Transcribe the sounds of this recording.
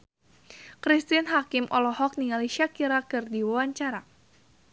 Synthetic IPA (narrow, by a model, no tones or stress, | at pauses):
kɾist̪inɦakɪmʔɔ̰lɔɦɔk̚niŋaliʃakiɾakɨrdiwawaɲt͡ʃaɾa